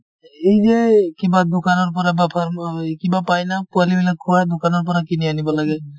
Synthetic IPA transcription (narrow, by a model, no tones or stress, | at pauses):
hejzekibad̪okanɔɹp̬ɔɹabapʰamkibapajnapualibilakʰːuad̪okanɔɹp̬ɔɹakinianibɔlaɡɛ